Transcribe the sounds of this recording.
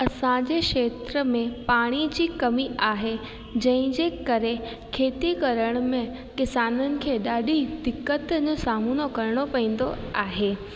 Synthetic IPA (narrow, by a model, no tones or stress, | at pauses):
ɐsãd͡ʑekʃeːt̪ɾəmẽpaːɽ̃id͡ʑiːkɐmiʔaːɦe | d͡ʑɐ̃ɦɪ̃d͡ʑeːkɐɾe | kʰeːt̪ikɐɾəɽ̃mẽ | kɪsaːnənɪ̆kʰeːɗaːɗʱid̪ɪkːət̪d͡ʑosaːmunokɐɾɽ̃opɐĩːn̆d̪oaːɦeː